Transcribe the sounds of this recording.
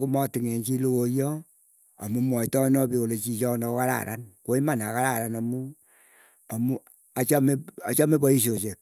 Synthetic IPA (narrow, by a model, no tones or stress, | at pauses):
kumɔtɪŋent͡ʃilokojɔ | a̰mumɔitɔnɔpikolet͡ʃit͡ʃɔnɔkaɾa̰ɾʔa̰nkoimanakaɾaɾanamu | amu | at͡ʃameat͡ʃamebɔis̬osek̚